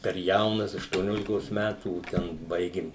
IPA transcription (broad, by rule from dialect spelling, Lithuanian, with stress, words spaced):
pʲɛr ˈjɛʊnɐs ɐʃtuɔˈnʲoːlʲɪkoːs mʲætuː ˈtʲɛn ˈbɐɪɡʲɪm